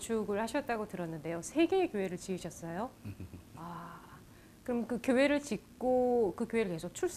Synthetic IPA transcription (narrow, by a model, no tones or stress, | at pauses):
t͡ɕʰuɡɯɭhaɕʰʌt̚t͈aɡotɯɾʌnːɯnde̞josʰe̞ɡe̞ːkjoɦe̞ɾɯɭt͡ɕiɯɕʰʌs͈ʌjo | a | kɯɾʌmkɯkjoɦe̞ɾɯɭt͡ɕik̚k͈okɯkjoɦe̞ɾɯɭke̞sʰok̚t͡ɕʰuɭs͈